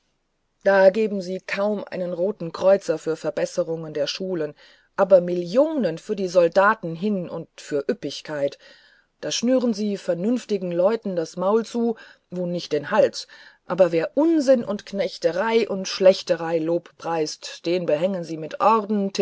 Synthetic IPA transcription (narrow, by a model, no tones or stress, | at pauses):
d̥aːɡeːbm̩ziːkʰaʊmʔa̰ɪnənʁoːtn̩kʁ̥ɔʏt͡sɐfyːɐfɛɐbɛsəʁʊŋəndeːɐʃuːlən | ʔaːbɐmɪljoːnənfyːɐdiːzɔldaːtn̩ɦɪnʊ̰ntfyːɐʔʏpɪçkʰaɪt | d̥aːʃnyːʁ̞ənziːfɛɐnʏnftɪɡŋ̩lɔʏtn̩dasmaʊlt͡suː | voːnɪçt̚d̥eːnhalt͡sʔa̰ːbɐveːɐʔʊnzɪnʔʊntknɛçtəʁaɪʔʊntʃlɛçtəʁaɪloːppʁ̥aɪstd̥eːnbəɦɛŋənziːmɪtʔɔʁdn̩tʰ